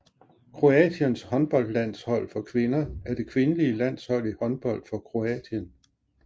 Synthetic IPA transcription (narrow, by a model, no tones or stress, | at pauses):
kʰʁo̝ɛ̰d̥jənshɒ̽nb̥ɒ̽l̰d̥læn̰shɒ̽l̰fɒ̽kʰʋe̝nɐæɐd̥e̝kʰʋe̝nəliəlæn̰shɒ̽l̰ihɒ̽nb̥ɒ̽l̰d̥fɒ̽kʰʁo̝ɛ̰d̥ən